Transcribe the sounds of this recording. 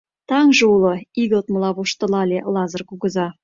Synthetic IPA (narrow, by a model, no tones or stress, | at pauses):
t̪ʰɑŋʒuwlˠəiɡot̪məlˠɑvuʃt̪ə̆lˠɑlʲelˠɑzərkuɡəzɑ